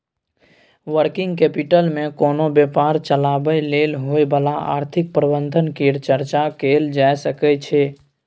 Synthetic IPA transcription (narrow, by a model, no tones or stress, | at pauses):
ʋəɾkɪŋɡkepiʈəlmẽkoːnobjəpaɾt͡ʃəlabəjlelɦojbəlaa̰ːɾt̪ʰɪk̚pɾəbənd̪ʱənkiɾt͡ʃəɾt͡ʃakeld͡ʒaesəkɛt͡ʃʰɛ